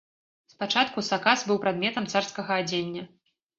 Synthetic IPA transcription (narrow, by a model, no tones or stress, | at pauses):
spat͡ʂat̪̚kusakasbɨwpɾad̪̚mʲɛt̪ɐmt̪sarskɐɣɐad͡zʲenʲːɐ